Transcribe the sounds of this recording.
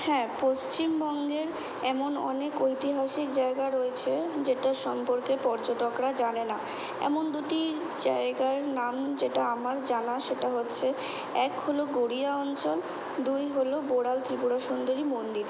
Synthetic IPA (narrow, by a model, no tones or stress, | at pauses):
hɛ̃post͡ɕimbɔŋɡeɾ | ɛmonɔ̰nekojt̪iɦaʃikd͡ʑaeɡaɾoet͡ɕʰed͡ʑeʈaʃɔmpoɾkepɔɾd͡ʑoʈokɾad͡ʑanena | ɛ̰mond̪uʈi | d͡ʑa̰eɡaɾnamd͡ʑeʈaamaɾd͡ʑanaʃeʈaɦotːɕʰe | ɛkholoɡoɽiaɔnt͡ɕol | d̪ujɦoloboɽalt̪ɾipuɾaʃond̪oɾimond̪iɾ